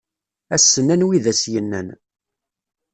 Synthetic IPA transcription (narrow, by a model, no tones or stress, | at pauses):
æsːənːænwiðæsjənːæ̰n